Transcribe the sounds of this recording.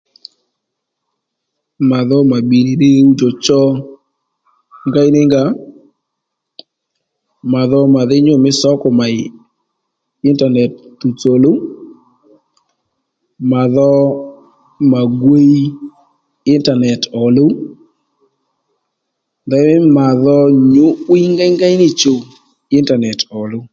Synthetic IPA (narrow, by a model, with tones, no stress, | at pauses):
ma˨ðɔ˦ma˨bi˨ni˨de˦u˦to˨t͡ʃɔ˦ | ŋɡa˦ɪ˦nɪ˦ŋɡa˦ | ma˨ðɔ˦ma˨ðɪ˦ɲo˦mɪ˦sɔ˦kɔ˨ma˨ɪ | ɪ˦nta˨nɛ˨ttu˨t͡so˨lo˦ | ma˨ðɔ˦ | ma˨ɡwe˦ | ɪ˦nta˨nɛ˨tɔ˨lo˦ | d̪ɛ˦ma˨ðɔ˦ɲo˦wi˦i˦ŋɡa˦jŋɡa˦ɪ˦nɪ˦t͡ʃo˨ | ɪ˦nta˨nɛ˨tɔ˨lo˦